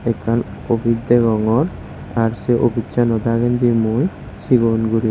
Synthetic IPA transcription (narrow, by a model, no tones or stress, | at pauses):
ekʰːanobid̪eɡɔŋɔɾ | aɾseʔobitːɕʰanɔd̪aɡend̪imuj | ʃiɡonɡuɾi